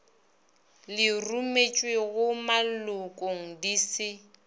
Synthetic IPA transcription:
lɪrumet͡ʃʼweɣʊmalʊkʼoŋ̩disɪ

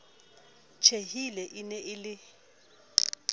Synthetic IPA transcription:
t͡ʃʰehilɛʔinɛʔɪlɪ

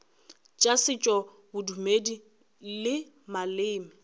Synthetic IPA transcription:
t͡ʃʼasɪt͡ʃʼɔ | bʊdumedi | lɪ | malɪːmɪ

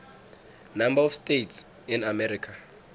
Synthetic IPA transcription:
nambaɔfstʼets | inamɛɾikʰa

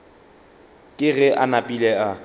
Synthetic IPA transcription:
kʼɪɣɛʔanapʼilɛa

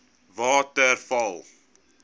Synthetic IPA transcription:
vɑːtərfɐlˠ

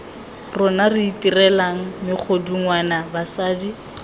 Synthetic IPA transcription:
rʊnarɪitirɛlaŋ̩mɪk͡xʰoduŋwanabasaːdi

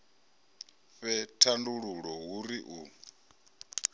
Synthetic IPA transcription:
ɸɛtʰanduɺuɺɔɦuɾiʔuː

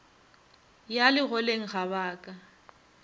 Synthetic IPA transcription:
jalɪɣɔleŋ̩ɣaβaːkʼa

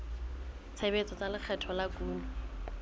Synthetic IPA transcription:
t͡sʰebet͡sɔt͡salɪk͡xʰɛtʰɔlakuːlɔ

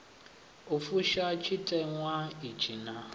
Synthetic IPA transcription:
ofuʃat͡ʃʰitʼɛŋʷait͡ʃʰina

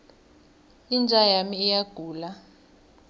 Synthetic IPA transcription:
ind͡ʒʱajamiːjaɡ̥ʱuːla

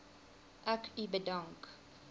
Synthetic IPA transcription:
ʔækibədaŋk

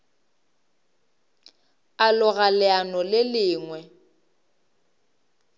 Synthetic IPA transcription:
alʊɣalɪanɔlɪlɪːŋwɛ

